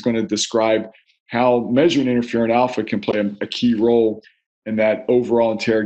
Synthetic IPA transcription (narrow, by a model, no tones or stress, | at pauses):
zɡʌ̃nɨdɨskɹaɪb̚ | haʊmɛʒə˞ɨ̃nɪ̃ɾ̃ə˞fɪɹɨ̃ñælˠfɨkʰɨ̃npʰl̥eɪɨɨkʰiɹoʊlˠ | ɨ̃nðɨɾoʊvə˞ɔlˠə̃ntʰɛɹ